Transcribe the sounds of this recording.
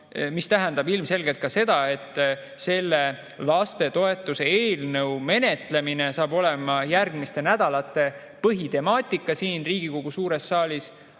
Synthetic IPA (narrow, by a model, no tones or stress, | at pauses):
mist̪æɦænd̪ɑbilmse̞lɡe̞lt̪̚kɑse̞d̪ɑe̞t̪ːˑ | se̞lːe̞ | lɑst̪e̞t̪o̞e̞t̪ːˑuse̞eːlnɤwme̞ne̞t̪le̞mine̞sɑːbo̞le̞mɑjærɡmist̪e̞næd̪̥ɑlɑt̪ːˑe̞ | pɤɦit̪e̞mɑːt̪ʲˑikːˑɑsiːnriːɡ̥iko̞ɡ̥usuːɾe̞sːɑːlʲis